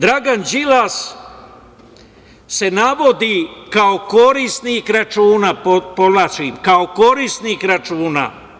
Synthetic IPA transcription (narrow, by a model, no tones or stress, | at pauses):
d̪ɾaɡand͡ʒilas | se̞naʋod̪ikaokoɾisnikɾat͡ʃuːnapopod̪lat͡ʃiːmkaoko̞ɾisnikɾat͡ʃuːna̰